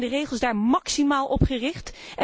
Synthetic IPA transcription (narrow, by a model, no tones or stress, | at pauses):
ndərejχəlˠzdaːɹmɑksimaːlˠʔɔpχərɪχtɛ